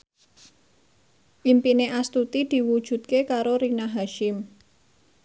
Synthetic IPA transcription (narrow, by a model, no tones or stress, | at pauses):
ʔimpineʔast̪ut̪id̪̥i̤wud̥ʒ̥ṳt̪̚kekaɾoɾinaɦaʃɪm